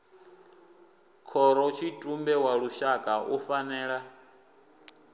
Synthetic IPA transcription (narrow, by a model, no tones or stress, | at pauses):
kʰɔɾɔt͡ʃʰitʼumbɛwaɺuʃakʼaʔufanɛːɺa